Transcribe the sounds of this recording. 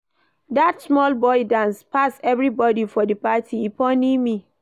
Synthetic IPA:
datsmɔlbɔɪdãnspʰasɛvɹibɔdifɔdəpatʰiipʰɔ̃nĩmĩ

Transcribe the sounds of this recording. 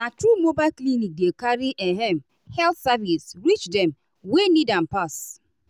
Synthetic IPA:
natɾumobaɪklinik̚dekaɾiʔeɦɛm̩ | hɛltsavisɾit͡ʃdɛm̩ | wenidam̩pas

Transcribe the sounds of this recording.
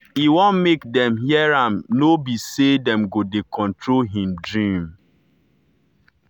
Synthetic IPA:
iwɔ̃nmekdɛ̃mhiɛɹãmnobisedɛmɡodekʰɔ̃ntɹolɦĩmdɹĩm

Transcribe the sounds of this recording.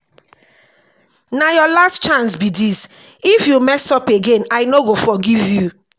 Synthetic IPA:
najɔlastt͡ʃãnsbidis | ifjumɛstɔpeɡẽnaɪnoɡofɔɡivju

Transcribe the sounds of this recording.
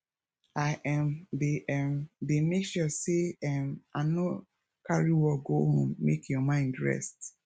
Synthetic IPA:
aʔɛmdeʔɛmdemekʃɔseɛmano | kaɹiwɔɡohõ̰mmḛkjɔmãɪ̃ndɹɛ̰st

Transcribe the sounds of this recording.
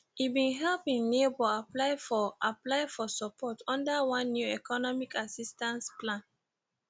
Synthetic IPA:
ibĩnɦɛlpĩnnebɔaplaɪfɔaplaɪfɔsɔpʰɔtʰɔ̃ndawãnːjuɛkɔnɔmikasistãnsplãn

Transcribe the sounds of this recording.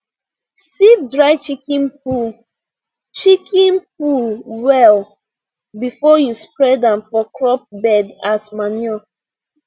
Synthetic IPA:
sivdɹaɪt͡ʃikĩnpu | t͡ʃikʰĩnp̚ulwɛl | bifɔjuspɹɛdãnfɔkɹɔp̚bɛdasmanɔ

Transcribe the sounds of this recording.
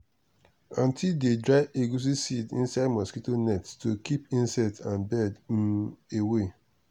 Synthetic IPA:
ɔ̃ntʰildedɹaɪʔeɡus̬isidḭ̃nsaɪdmɔskitonɛttokʰipĩnsɛtʰãnbɛd | ewe

